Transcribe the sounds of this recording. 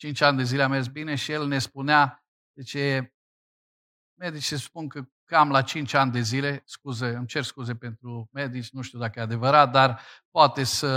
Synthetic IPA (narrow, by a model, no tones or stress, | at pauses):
t͡ʃint͡ʃʲanʲd̪e̞zileamezbine̞ʃijelne̞spunea | d̪̥et͡ʃe | me̞d̪it͡ʃsəspunkə | kamlat͡ʃint͡ʃʲanʲd̪e̞zile̞skuzeɨmt͡ʃe̞rskuzepe̞nt̪ɾume̞d̪it͡ʃʲnuʃt̪iud̪akəjead̪e̞vəɾat̪̚d̪arpoat̪e̞sə